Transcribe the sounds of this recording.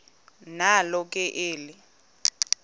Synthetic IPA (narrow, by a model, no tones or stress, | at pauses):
nalɔk̬ʼɛʔeːli